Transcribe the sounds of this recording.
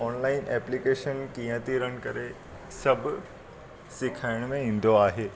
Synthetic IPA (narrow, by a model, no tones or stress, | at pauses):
ɔːnlaːɪnʔɛplikeːʃənkĩjə̃t̪iɾəɽ̃kəɾe | sɐbʱ | sɪkʰaːɪɽ̃mẽĩn̆d̪oaːɦeː